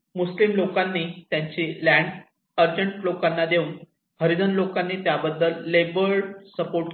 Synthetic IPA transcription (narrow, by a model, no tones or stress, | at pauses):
muslimlokanːiːt̪jaɲt͡ɕilæ̃ɳɖ | əɾd͡ʑəɳʈlokanːad̪euːn | həɾid̪ənlokanːiːt̪jabəd̪ːəlːebəɭsəpoɾʈ